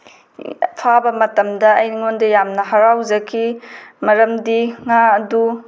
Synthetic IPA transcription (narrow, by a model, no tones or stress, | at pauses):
pʰabɐmɐtɐmdɐɐ̰jniŋondɐjamnɐɦɐɾawzɐkʰimɐɾɐmdiŋaɐdu